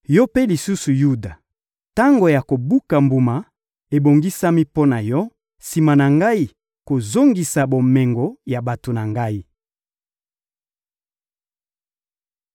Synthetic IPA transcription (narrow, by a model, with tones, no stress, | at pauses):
jɔ˦pe˦li˨su˦su˨ju˦da˨ | ta˦ŋɡo˨ja˨ko˨bu˦ka˨mbu˨ma˨ | e˨bo˨ŋɡi˦sa˦mi˦po˦na˨jɔ˦ | si˨ma˨na˨ŋɡa˦i˦ | ko˨zo˦ŋɡi˨sa˨bo˨mɛ˨ŋɡo˨ja˨ba˨to˨na˨ŋɡa˦i˦